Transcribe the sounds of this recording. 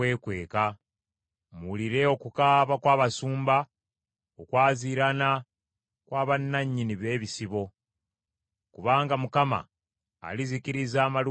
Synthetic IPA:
we̞ːkwe̞ːka | muliɾe̞o̞kukaːβakwaːβasuːmba | okwaːziɾana | kwaːβanːaɲːiniβe̞ːβisiβo̞ | kuβaːŋɡamukama̰ː | lizikiɾizaːmal

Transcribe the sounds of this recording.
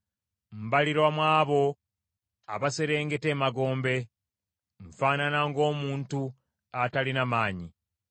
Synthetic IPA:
m̩baliɾwamwaːβo̞ | a̰βase̞ɾe̞ːŋɡe̞te̞ːmaɡo̞ːmbe̞ | ɱfaːnanaŋɡo̞ːmuːntu | atalinamaːɲi

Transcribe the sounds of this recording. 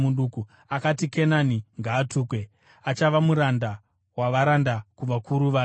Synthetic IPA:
muɗuku | akatikenaniŋɡaːtuːkwe̞ | at͡ʃaʋamuɾanda | waʋaɾandakuʋakʰuɾuʋa

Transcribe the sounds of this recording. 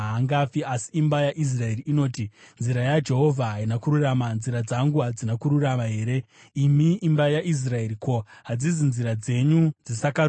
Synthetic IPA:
ɦaŋɡafiasi̥ːmbajaʔis̬rae̞riːno̞ːtinziɾajad͡ʒe̞ɦo̞vʱaɦainakuɾuramanziɾad͡zaŋɡuɦad͡zinakuɾuramaɦe̞ːɾe̞ | imiːmbajaʔis̬rae̞ɾikoɦad͡ziz̬inziɾad͡ze̞ɲud͡zisaka

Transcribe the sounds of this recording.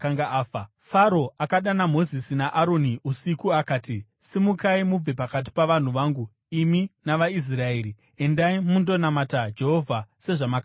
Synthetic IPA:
kaŋɡaːfa | faɾo̞akaɗanamo̞zisinaʔaɾo̞niusikuakaːtisimukaimub͡ve̞pakat̬i̥paʋan̤uʋaːŋɡu | iminaʋais̬rae̞ːɾi | e̞ndaimundo̞namatad͡ʒe̞ɦo̞vʱase̞ʐamaka

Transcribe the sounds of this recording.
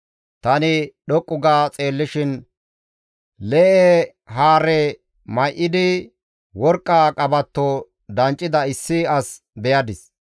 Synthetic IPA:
t̪ɐnɪɗɔkʼːʊɡaːt͡sʼe̞ːlːɪʃɪn | lɛʔɛ | ɦaːɾɛ | mɐjʔɪd̪ɪ | wɔɾkʼːaːkʼɐbɐt̪ːo | d̪ɐnt͡ʃʼːɪd̪ɐɪsːɪɐs | bɛjɐd̪ɪs

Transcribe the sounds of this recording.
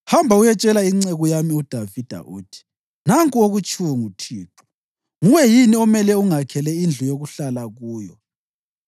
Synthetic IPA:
hambʱaujɛt͡ʃʼɛlaiŋ͡ǀɛɣujamiud̥ʱavid̥ʱa̰ʔuːtʰi̥ | naŋkʼuoɣut͡ʃʰʼuwŋutʰiːtʰu̥ | ŋuwɛjiniɔmɛlɛuŋakʰɛlɛind͡ɮʱujoɣuɬalaɣuːjɔ̰

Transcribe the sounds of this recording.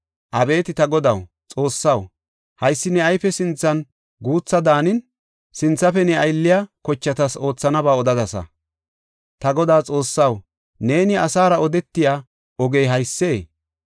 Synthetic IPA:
ʔɐbe̞ːt̪ɪt̪ɐɡɔd̪ɐw | t͡sʼo̞ːsːɐw | hɐjsːɪnɛɐjfɛsɪnt͡sːɐn | ɡuːt͡sːɐd̪aːnɪn | sɪnt͡sːɐfɛnɛɐjlːɪjaːkɔt͡ʃːɐt̪ɐso̞ːt͡sːɐnɐbaːɔd̪ɐd̪ɐsɐ̰ | t̪ɐɡɔd̪aːt͡sʼo̞ːsːɐw | ne̞ːnɪɐsaːɾɐɔd̪ɛt̪ːɪjaː | ɔɡejɦɐjsːe̞ː

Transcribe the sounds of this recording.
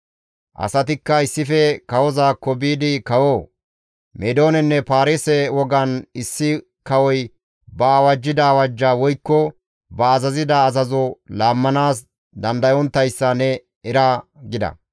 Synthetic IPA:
ʔɐ̰sɐt̪ɪkːɐɪsːɪfɛkɐwɔzaːkːɔbiːd̪ɪkɐwoː | mʔɛd̪o̞ːnɛnːɛpaːɾesɛwɔɡɐnɪsːɪ | kɐwɔj | bɐaːwɐd͡ʒːɪd̪awɐd͡ʒːaːwɔjkːɔ | bɐːzɐzɪd̪ɐːzɐzɔlaːmːɐnaːs̬ | d̪ɐnd̪ɐjɔnt̪ːɐjsːɐnɛ | ɛɾaɡɪd̪ɐ̰

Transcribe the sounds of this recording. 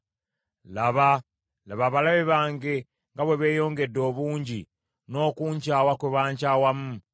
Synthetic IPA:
laβa | laβaβalaβeβaːŋɡe̞ | ŋɡaβwe̞βe̞ːjo̞ːŋɡe̞dːo̞ːβuːɲɟi | no̞ːkuːɲcaːwakweβaːɲcaːwamu

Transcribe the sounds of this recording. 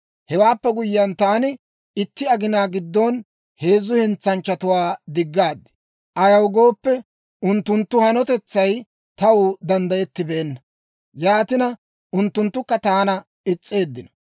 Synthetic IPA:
hɛwaːpːɛɡʊjːɐnt̪aːnɪ | ɪt̪ːɪɐɡɪnaːɡɪd̪ːon | he̞ːzːʊhɪnt͡sːɐnt͡ʃːɐt̪ʊwaːd̪ɪɡːaːd̪ːɪ̥ | ʔɐjɐwɡo̞ːpːɛ | ʔʊnt̪ːʊnt̪ːʊhɐnɔt̪ɛt͡sːɐj | t̪ɐwʊd̪ɐnd̪ɐjɛt̪ːɪbe̞ːnːɐ | jaːt̪ɪnɐ | ʔʊnt̪ːʊnt̪ːʊkːɐt̪aːnɐ | ɪt͡sʼːe̞ːd̪ːɪnɔ̥

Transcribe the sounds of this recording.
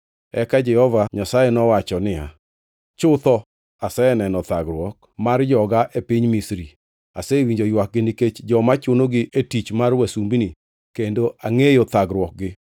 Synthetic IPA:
ɛkad͡ʒɛhɔvaɲasajenɔwat͡ʃɔnɪa̰ | t͡ʃʊt̪ɔ | asɛɛnɛnɔt̪aɡɾwɔk̚ | mard͡ʒɔɡaʔepiɲmisɾi | asewiɲd͡ʒojwak̚ɡɪniket͡ʃd͡ʒɔmat͡ʃonoɡɪʔetit͡ʃmarwɛsumbini | kendoaŋejot̪aɡɾwɔk̚ɡɪ

